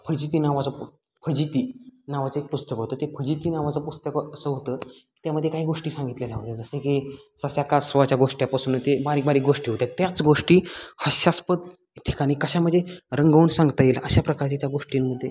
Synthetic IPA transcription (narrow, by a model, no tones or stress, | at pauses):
pʰəd͡ʑit̪̬iːnaʋat͡səp | pʰəd͡ʑit̪iːnaʋat͡səek̚pust̪əkɦot̪əːt̪epʰəd͡ʑit̪iːnaʋat͡səpust̪əkəsəɦot̪əki̥t̪jaməd̪ʱːjekaɦiːɡoʂʈiːsãŋɡit̪lelaɦot̪ad͡zəseki | sasjakasʋat͡ɕjaɡoʂʈjapasuːnt̪ebaɾiːkbaɾiːɡoʂʈiːɦot̪jat̪jat͡sɡoʂʈiːhəɕaspət̪̚ | ʈʰi̥kaɽ̃iːkəɕam̤əɳd͡zeɾəŋɡʱəuɳsãŋɡt̪aeləɕapɾəkaɾt͡ɕat̪jaɡoʂʈimməd̪ʱːje